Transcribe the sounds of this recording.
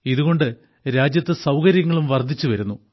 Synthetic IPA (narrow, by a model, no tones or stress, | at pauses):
iðuɣo̞ɳɖɨ | ɾaːd͡ʑjɐt̪ːɨsɐwkɐɾjɐŋːɐɭumʋɐrd̪ʱit͡ɕːuʋɐɾunːu